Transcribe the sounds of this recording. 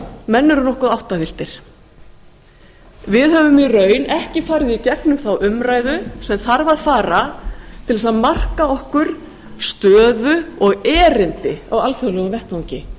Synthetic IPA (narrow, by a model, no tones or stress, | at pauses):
mɛnːʏɾʏnɔhkaðawht̪avɪl̥t̪ɪɾ̥ | vɪðhœvʏmirœːɥnɛhcɪfaːɾɪðicɛknʏmθawʔʏmɾaːjðʏsɛmθaɾvaðfaːɾat̪ʰɪlðɛsaðmar̥kaɔhkʏɾ̥ | st̪œːðʏɔɣɛːɾɪnt̪ɪa̰walfœɣlʏɣavɛht̪awɲcɪ